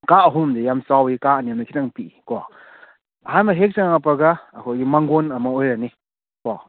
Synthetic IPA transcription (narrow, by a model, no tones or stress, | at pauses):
kaɐɦumdejamsawikaɐnijamnakʰitaŋpikɔ | hajmaɦek̚saŋaŋapaɾɡaːkʰojɡimaŋɡonɐmɐojɾani | kɔ